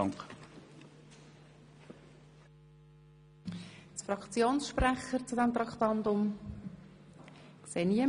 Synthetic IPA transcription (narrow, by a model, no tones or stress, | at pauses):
ŋk | tfrɑkt͡sjoːnsʃpɾæχəɾt͡sudɛmt̪ɾɑkt̪ɑndʊm | kseːniə